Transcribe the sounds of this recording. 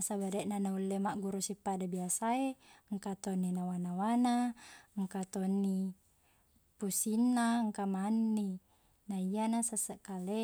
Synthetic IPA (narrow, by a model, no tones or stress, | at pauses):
sabadeʔnanaulːemaʔɡuɾusipadabiasaeŋkat̪onːinawanawanaŋkat̪onːi | pusinːaŋkamanːi | naijanasasəʔkale